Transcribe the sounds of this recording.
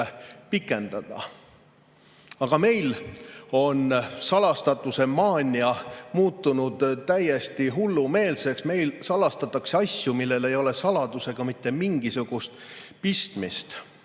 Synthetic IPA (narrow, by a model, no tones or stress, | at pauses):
pikːˑe̞nd̪̥ɑd̪̥ɑ̰ | ɑɡ̥ɑme̞jlo̞nsɑlɑst̪ɑt̪ˑːuse̞mɑːnʲiɑmuːt̪ːunud̪̥t̪æje̞st̪iɦulːume̞ːlse̞ksme̞jlsɑlɑst̪ɑt̪ːˑɑkseɑsʲjumilːe̞le̞jo̞le̞sɑlɑd̪̥use̞ɡ̥ɑmit̪ˑːe̞miŋɡ̥isuɡ̥ust̪pist̪mist̪